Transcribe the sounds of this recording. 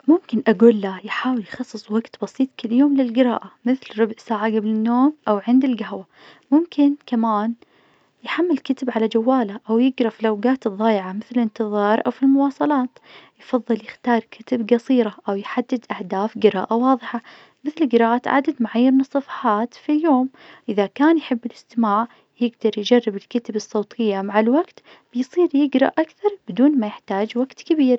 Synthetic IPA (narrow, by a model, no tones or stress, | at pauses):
mʊmkɪnʔaɡuːlːajħaːwɪljxɑsˤːɨsˤwaɡt̪bɑsˤiːt̪ˤkɪlːjoːmlɪlɡɪɾa̰ːʔamɪθlɾʊbʕsaːʕaɡablɪnːoːmʔawʕɪnd̪ɪlɡaɦwa | mʊmkʰɪnkamaːn | jħamːɪlkat̪ɪbʕalad͡ʒawːaːlaʔawjɪɡɾɑfilawɡaːt̪ɨðˤːɑːjʕamɪθlɪnt̪ɨðˤɑːɾˤʔa̰wfilmʊwɑːsˤɑlɑːt̪jfɑðˤːɨljɪxt̪ɑːɾˤkʰɪt̪ɪbɡɑsˤiːɾaʔawjħad̪ːɪd̪ʔahd̪aːfɡɪɾa̰ːʔawɑːðˤɨħa | mɪθlɪɡɪɾaːʔaːt̪ʕa̰d̪ad̪maʕajːɪɾnɨsˤːɑfɑ̥ħɑːt̪filjoːm | ʔɪðakaːnjħɪbːɪlɪst̪ɪmaːʕ | jɪɡd̪ɑɾˤjd͡ʒarːɪbɪlkat̪ɪbɨsˤːoːt̪ʰɪjːamaʕalwaɡt̪ | b̥ɪjsˤiːɾjɪɡɾˤɑ̰ʔʔakθɑɾˤb̥ɪd̪uːnmajɪħt̪aːd͡ʒwaɡt̪kabiːɾ